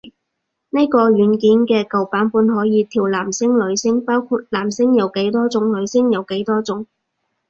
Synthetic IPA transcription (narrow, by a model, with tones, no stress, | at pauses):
ne˥kɔː˧ɥyː˨˥nkiː˨˥nkɛː˧kɐ˨wpaː˨˥npuː˨˧nɦɔː˨˥jiː˨˧t̪ʰiː˨˩wlaː˨˩msɪ˥ŋlɵ˨˧˥ɥsɪ˥ŋpaː˥wkʰu˧t̚laː˨˩msɪ˥ŋjɐ˨˧wke˨˥jt̪ɔː˥t͡sʊ˨˧˥ŋlɵ˨˧ɥsɪ˥ŋjɐ˨˧wke˨˥jt̪ɔː˥t͡sʊ˨˥ŋ